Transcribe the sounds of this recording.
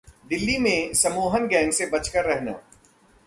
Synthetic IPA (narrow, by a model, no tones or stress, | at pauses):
ɖ̪ɪlːimẽsɐmoːɦənɡɛ̃ːŋɡsebɐt͡ʃkəɾːɛɦna̰ː